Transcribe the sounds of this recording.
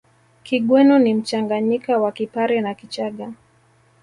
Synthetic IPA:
kiɠwɛnɔnim̩t͡ʃaŋɡaɲikawakipaɾɛnakit͡ʃaɠa

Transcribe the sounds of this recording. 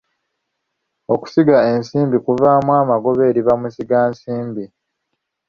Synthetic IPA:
oku̥siɡae̞nsiːmbikuvaːmwaːmaɡo̞βe̞ːɾiβamusiɡaːnsiːmbi

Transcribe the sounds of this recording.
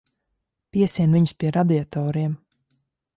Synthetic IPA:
piɛsiɛnviɲspʲiɛɾad̪iat̪ɔːɾiɛm

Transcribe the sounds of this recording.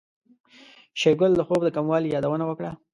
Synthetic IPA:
ʃeɡʊld̪əxob̚d̪əkamwɑlijɑd̪awənawəkɽa

